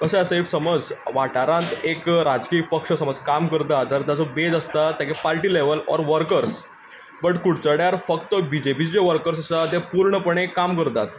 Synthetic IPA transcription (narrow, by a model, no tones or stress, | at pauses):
kəseəsəeksəməd͡zʋaʈaɾãnt̪ekɾad͡zkiːpəkʂəsəməd͡zkamkəɾt̪at̪ːəɾt̪ad͡zobed͡zəst̪at̪ːjakepaɾʈiːleʋəlɔ̰ɾʋəɾkəɾs | bəʈkuɽt͡səɽjaɾfək̚t̪əbid͡ʑepiːt͡sd͡ʑeʋəɾkəɾsəsat̪epuɾɳəpəɳ̃ekamkəɾt̪at̪